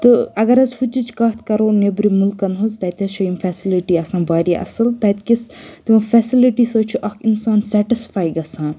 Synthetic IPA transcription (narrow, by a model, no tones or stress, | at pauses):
t̪ɨɐɡɐɾɐzhut͡ʃːit͡ʃʰkɐt̪ʰkɐɾoːnebɾimulkːɐnɦuzt̪ɐt̪ɐsoimfʰɛːsiliʈiɐsãːnbaːɾiʔɐ̰sɨlt̪ɐt̪kist̪imɐfɛːsiliʈisoːt͡ʃʰuʔɐkʰinsaːnsɛːʈisfaːjɡɐsãːn